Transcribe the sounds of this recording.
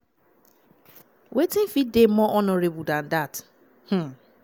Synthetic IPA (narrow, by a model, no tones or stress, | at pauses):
wetɪ̃n̩fit̚demɔʔɔnɔɾebʊldãndat | h̩